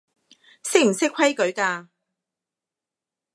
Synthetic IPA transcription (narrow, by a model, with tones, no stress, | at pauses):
sɪ˥k̚m̩˨˩sɪ˥kʰɐ˥jkɵ˨˥ɥkaː˧